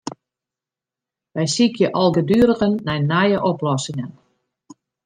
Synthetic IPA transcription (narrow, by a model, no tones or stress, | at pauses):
ʋɛjsikjəʔɔlˠɡədyəɾəɣənːɛjnajəʔɔplɔsɪŋən